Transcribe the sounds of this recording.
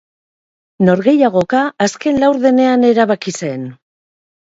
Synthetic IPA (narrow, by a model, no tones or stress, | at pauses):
no̞ɾɣe̞jaɣ̞o̞kaːske̞nlawɾðe̞ne̞ane̞ɾaβakise̞n